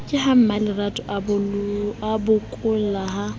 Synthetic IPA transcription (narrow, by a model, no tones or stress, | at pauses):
kʼɪham̩malɪratʼʊʔabʊabʊkʼʊlaɦa